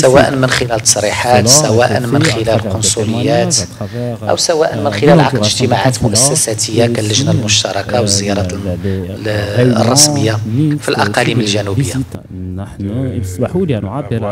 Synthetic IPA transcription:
sæwæʔənmənxɪlælt̪ːɑ̥sˤɾiħat̪sæwæʔə̰nmənxɪlæləlqʊnsˤuləjːæt̪ʔæ̰wsæwæʔənmənxɪlælʕɑqd̪əʒt̪əmaʕat̪mʊʔæsːæsæt̪əjːakælːəʒnalmʊʃt̪ɑɾˤɑkawəzːəjɑɾˤɑt̪ | rˤːɑsməjːafilʔɑqɑliməlʒænubəjːa

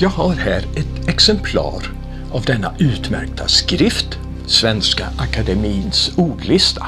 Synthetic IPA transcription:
jɑːɡhaɾhæːɾɛt̪ɛksɛmpʰlɑ̰ːɾ | avd̪ɛnːaʔʉ̟ːt̪mæ̰ɾk̚t̪ʰa̰skɾɪft̪ | svɛnska̰ʔakad̪ɛmiːnsuːɖlɪst̪ʰa

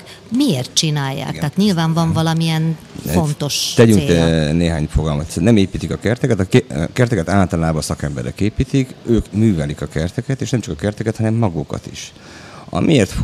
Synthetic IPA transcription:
mieːrt̪̚t͡ʃinaːjːa̰ːkt̪aːt̪ɲilvaːɱvɒɱvɒlɒmiɛn | o̞nt̪o̞ʃt̪ɛɟyŋkt̪ɛneːɦa̰ːɲfoɡɒlmot̪nɛmeːpiːt̪ikɒkɛrt̪ɛkɛt̪ɒkɛrt̪ɛkɛt̪aːlt̪ɒlaːbɒsɒkɛmbɛ̰ɾʔɛ̰keːpiːt̪ikøːkmyːvɛlikɒkɛrt̪ɛkɛt̪eːʃnɛmt͡ʃɒkɒkɛrt̪ɛkɛt̪hɒnɛmːɒɡukɒ̰t̪ḭʃ | ɒ̰mʔieːrt̪f

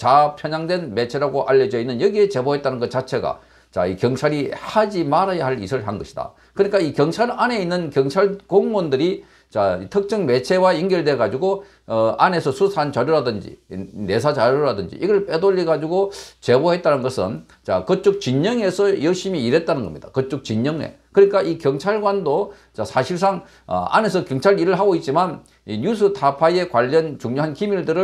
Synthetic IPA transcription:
t͡ɕapʰjʌɲaŋdwe̞nme̞t͡ɕʰe̞ɾaɡoʔaʎːʌd͡ʑʌinːɯnjʌɡie̞t͡ɕe̞boɦe̞t̚t͈anɯnɡʌt͡ɕat͡ɕʰe̞ɡa̰ | t͡ɕa̰ikjʌŋt͡ɕʰaɾihad͡ʑimaɾajaɦaɭḭsʰɯɭɦanɡʌɕʰida̰ | kɯɲik͈aikjʌŋt͡ɕʰaɾane̞inːɯnkjʌŋt͡ɕʰaɭkoŋmondɯɾi | t͡ɕaitʰɯk̚t͡ɕ͈ʌŋme̞t͡ɕʰe̞waiŋɡjʌɭde̞ɡad͡ʑuɡo | ane̞sʰʌsʰusʰaant͡ɕaɾjoɾadɯnd͡ʑḭne̞s̬ʰat͡ɕaɾjoɾadɯnd͡ʑḭʔiɡʌɭp͈edoʎːiɡad͡ʑuɡot͡ɕe̞bohe̞t̚t͈anɯnɡʌsʰɯ̰n | t͡ɕa̰kʌt͡ɕ͈ok̚t͡ɕiɲːʌŋe̞sʰʌjʌɭɕ͈imiːɾe̞t̚t͈anɯnɡʌmɲid̥a̰kʌt͡ɕ͈ok̚t͡ɕiɲːʌŋḛkɯɲik͈aʔikjʌŋt͡ɕʰaɭɡwando | t͡ɕasʰaɕʰiɭs̬͈aŋ̰ | a̰ne̞sʰʌkjʌŋt͡ɕʰaɾiɾɯɭɦaɡoit̚t͡ɕ͈iman | iɲusʰɯtʰapʰaje̞kwaʎːʌnt͡ɕuŋɲoɦankimiɭdɯɾɯ

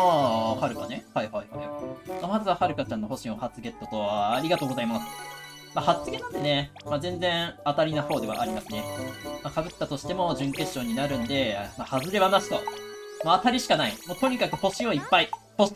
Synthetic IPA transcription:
aːhaɾɯ̟kane̞haihaihaimamazɨβahaɾɯ̟kat͡ɕãnːo̞ho̞ɕĩohat͡sɨɡe̞t̪ːo̞t̪o̞βaːɾʲiɡat̪o̞ːɡo̞zaimasɨ̥ | mahat͡sɨɡʲe̞t̪ːot̪ene̞ | mazẽ̞nd͡zẽ̞ɰ̃at̪aɾʲinaho̞ːd̪e̞βa̰ʔaɾʲimasɨne̞makabɯ̟t̪ːat̪o̞ɕi̥t̪e̞mo̞ʑɨ̃ŋke̞ɕːo̞ːɲ̟inaɾɯ̟̃nd̪e̞mahazɨɾe̞βanaɕi̥t̪o̞̰ | maːt̪aɾʲiɕi̥kanaimot̪o̞ɲ̟ikakɯ̟ho̞ɕioipːai | ho

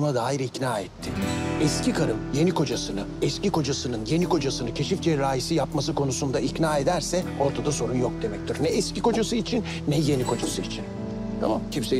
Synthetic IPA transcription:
mad̪aːjiɾicnaːɛt̪ʰːɪɛscikʰaɾɯmje̞nikʰo̞d͡ʒasɯnɯɛsciko̞d͡ʒasɯnɯnje̞nikʰo̞d͡ʒasɯnɯcʰe̞ʃifd͡ʒɛɾaːjisijapmas̬ɯkʰo̞nusund̪aicnaːed̪æɾsɛo̞ɾt̪ʰad̪aso̞ɾunjok̚d̪e̞mɛc̚t̪ʰyɾnɛɛsciko̞d͡ʒasɯit͡ʃʰinːɛje̞nikʰo̞d͡ʒasɯit͡ʃʰin | t̪ʰa̰ma̰mcʰimse

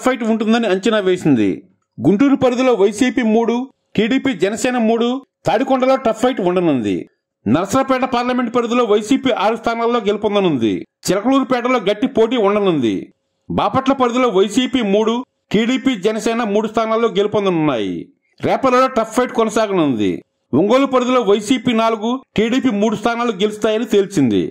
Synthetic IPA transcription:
pʰːɐjʈuɳʈund̪ɐniɐɲt͡ʃɐnaʋeːsind̪ḭ | ɡuɳʈuːɾupɐɾud̪ulo̞ːʋɐjsiːpiːmuːɽu | ʈiːɽiːpiːd͡ʒɛnɐsɛːnɐmuːɽut̪aːɽikɔɳɖɐlo̞ːʈɐpʰːɐjʈuɳɖɐnund̪ḭ | nɐɾɐsɾɐpɛːʈɐpaːɾlɐme̞ɳʈ̚pɐɾud̪ulo̞ːʋɐjsiːpiːʔaːɾust̪ʰaːnaːlːo̞ːɡe̞lipɔnd̪ɐnund̪ḭt͡ʃɛlɐkɐluːɾupɛːʈɐlo̞ːɡɐʈːipo̞ːʈ̬iːuɳɖɐnund̪ḭ | baːpɐʈlɐpɐɾud̪ulo̞ːʋɐjsiːpiːmuːɽu | ʈiːɽiːpiːd͡ʒɐnɐsɛːnɐmuːɽust̪ʰaːnaːlːo̞ːɡe̞lipond̪ɐnunːa̰ːjḭ | ɾɛːpɐlɐːloːʈɐpʰːɐjʈkɔnɐsaːɡɐnund̪ḭ | ʋuŋɡoːlupɐɾud̪ulo̞ːʋɐjsiːpiːnaːluɡuʈiːɽiːpiːmuːɽust̪ʰaːnaːluɡe̞list̪aːjɐnit̪elit͡ʃind̪ḭ

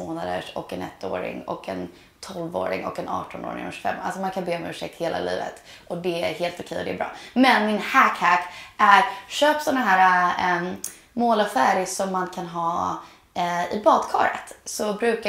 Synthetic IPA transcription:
oːnad̪ə̰ʂɔ̰kːɛnɛ̰t̪ːoːɾɪ̰ŋɔ̰kʰɛ̰n | t̪ʰɔlvo̰ːɾɪ̰ŋɔ̰kɛnɑ̰ːʈɔno̰ːɾɪ̰ŋɔʃfɛ̰mːa̰lsɔmankʰanbeːɔmʉ̟ːʂɛk̚t̪heːlʔa̰lḭːvə̰t̪ | ʔɔd̪ɛæɾɦeːlt̪ʊkʰɛjːɔd̪ɛːbɾɑ̰ːmɛnmɪnhækhækʔæɾɕøːpsɔnːaɦæːɾa | moːlafæːɾɪsɔmːankʰanɦɑː | ɪbɑːd̪kʰɑːɾə̰t̪sɔbɾʉ̟ːka

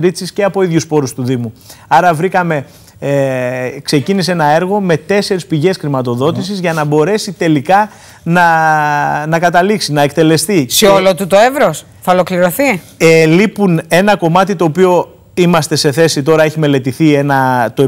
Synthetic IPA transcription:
ɾisisce̞ɐpo̞iðʝuspo̞ɾust̪uðimuɐɾɐvɾikɐme̞ | kse̞cinis̬enɐe̞ɾɣo̞me̞t̪e̞se̞ɾispiʝe̞sxɾimɐt̪o̞ðo̞t̪isizʝɐnɐbo̞ɾe̞sit̪e̞likɐ | nɐ | nɐkɐt̪ɐliksinɐe̞k̚t̪e̞le̞st̪iseolot̪ut̪o̞evɾos | θɐolo̞kliɾo̞θi | elipune̞nɐko̞mɐt̪it̪o̞ːpio̞ | imɐst̪e̞se̞θe̞sit̪̬o̞ɾɐe̞çime̞le̞t̪iθie̞nɐt̪oe

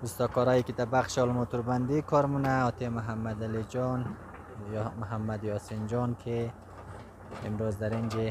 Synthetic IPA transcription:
ust̪ɔkɔɾɔjikid̪abaχʃɔlmot̪uɾband̪ikʰɔɾmunaɔt̪ʰemʊɦamːad̪alid͡ʒɔn | mʊɦamːad̪jɔsind͡ʒɔnkʰe | mɾozd̪aɾind͡ʒe

